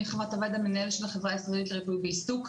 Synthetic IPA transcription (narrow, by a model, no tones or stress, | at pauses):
eχavatovad̪amenaelʃelaχevʁaːisʁelitleʁibujbeistuk